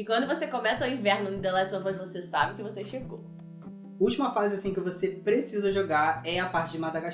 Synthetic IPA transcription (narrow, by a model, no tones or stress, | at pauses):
ɪkwɐ̃nd̪ʊvosekõmɛsɐwĩvɛɾnʊ̃d̪elasovozvosesabɪkɪvoseʃeɡo | uwt͡ʃimɐfazɪasĩkɪvosepɾesizɐʒoɡaɾɛapaɾt͡ʃɪd͡ʒɪmad̪aɡa